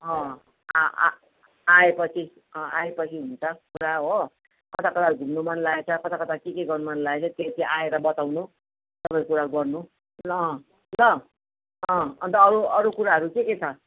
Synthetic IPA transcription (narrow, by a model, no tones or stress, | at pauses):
ʌ̰̃ | aepʌt͡sʰi | ʌ̃aepʌt͡sʰiɦunt͡sʰʌkuɾaɦo | kʌt̪ʰakʌt̪ʰauɡʱumnumʌnlaet͡sʰʌkʌt̪ʰakʌt̪akekeɡʌrnumʌnlaet͡sʰʌt̪et̪eʔaeɾʌbʌt̪awnu | t̪ʌpãĩkuɾaɡʌrnũ | lʌ | ʌ̃ʌnt̪ʌːɾuʌɾukuɾaɦʌɾukeket͡sʰʌ